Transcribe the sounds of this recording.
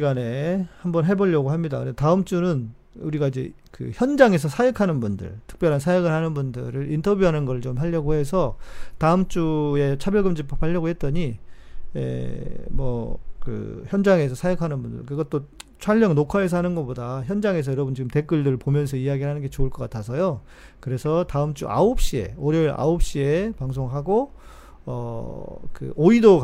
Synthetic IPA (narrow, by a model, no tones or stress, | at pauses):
iɡane̞hambʌnɦe̞bʌʎːʌɡoɦamɲida̰kɯɾetaɯmt͡ɕ͈unɯn | uɾiɡaid͡ʑe̞̰ | kɯ̰çjʌnd͡ʑaŋe̞s̬ʰʌsʰajʌkʰanɯnbundɯ̰ɭtʰɯ̥k̚p͈jʌɾɦansʰajʌɡɯɭhanɯnbundɯ̰ɾɯɾʔintʰʌbjuɦanɯnɡʌɾɯɭt͡ɕomɦaʎːʌɡoɦe̞sʰʌtaɯmt͡ɕ͈ue̞t͡ɕʰabjʌɭɡɯmd͡ʑipʰpʰaʎːʌɡohe̞t̚t͈ʌɲi | ḛmwʌ̰kɯ̰çjʌnd͡ʑaŋe̞s̬ʰʌsʰajokʰanɯnbundɯ̰ɭkɯɡʌt͈ot͡ɕʰwaʎːʌŋnokʰaes̬ʰʌɦanɯnɡʌp͈odaçjʌnd͡ʑaŋe̞s̬ʰʌjʌɾʌbɯnt͡ɕiɡɯmte̞k͈ɯɭdɯɾɯɭpomjʌns̬ʰʌijaɡiɯɭɦanɯnɡe̞t͡ɕoɯɭk͈ʌk͈atʰas̬ʰʌjo | kɯɾe̞sʰʌtaɯmt͡ɕ͈ṵʔa̰op̚ɕ͈ie̞̰oɾjʌiɾʔa̰op̚ɕ͈ie̞paŋs̬ʰoŋɦaɡo | ʌ | kɯ̰oido